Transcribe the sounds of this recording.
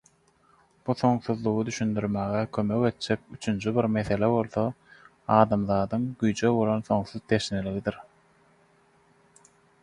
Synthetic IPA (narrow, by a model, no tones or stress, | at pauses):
b̥uθo̞ŋθuðlˠuɣɯd̪yʃynd̪yɾmæːɣekʰømø̞ke̞t̪̚d͡ʒek̚yt͡ʃʰynt͡ʃʰyβiɾme̞θe̞leβo̞lˠθo | ɑːd̪ɑmðɑːd̪ɯŋɡyjd͡ʒøbo̞lˠonθo̞ŋθuðt̪ʰe̞ʃneliɣid̪iɾ